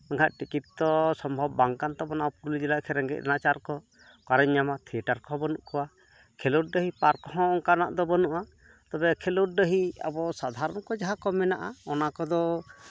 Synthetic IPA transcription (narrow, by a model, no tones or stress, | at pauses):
əŋɡʰaʔ̚ʈikit̪t̪ɔsɔmbʱɔbːaŋkant̪ɔbɔnaʔɔpuɾlid͡ʒɛlaʔkʰɛɾɛŋɡɛ̰ʔ̚a̰nat͡ʃaɾkɔ | kaɾɛɲːamat̪ʰiɛʈaɾkɔbɔnuʔkʰɔwa | kʰɛluʈ̚ɖəɦipaɾkɔɦɔ̃ʔɔŋkanaʔd̪ɔbɔnuʔa | t̪ɔbɛkʰɛluʈ̚ɖəɦia̰bɔsad̪ʱaɾɔnkɔd͡ʒaɦakɔmɛnaʔaɔnakɔd̪ɔ